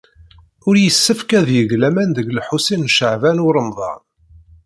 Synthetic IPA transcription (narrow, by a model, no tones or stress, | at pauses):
ʊɾjəsːəfkæðjəɣlæmænðəɡlħusinʃəʕvænʊɾˤəmðˤɑ̰n